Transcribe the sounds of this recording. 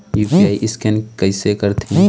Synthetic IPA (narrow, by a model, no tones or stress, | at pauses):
juːpiaːiʔɪskɛnkɐɪsekəɾt̪ʰĩ